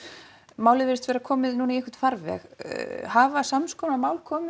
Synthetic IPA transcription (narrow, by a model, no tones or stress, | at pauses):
maːwlɪvɪɾɪst̪vɛɾakʰɔːmɪðnunaiɛhkʏ̥t̪faɾvɛ̰xhavasamskɔːwnamaːwlkʰɔːmɪ